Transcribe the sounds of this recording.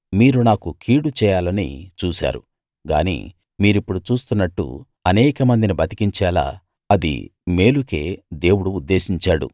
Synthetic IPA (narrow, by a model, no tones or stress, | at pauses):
miːɾunaːkukʰiːɽut͡ʃɛːjaːlɐnḭt͡ʃuːsa̰ːɾṵ | ɡa̰ːnḭː | miːɾipːuɽut͡ʃuːst̪unːɐʈːṵ | ɐnɛːkɐmɐnd̪inibɐt̪i̥kiɲt͡ʃɛːla̰ː | ɐd̪ḭme̞ːluke̞ːd̪e̞ːwuɽuːd̪ːe̞ːsiɲt͡ʃaːɽṵ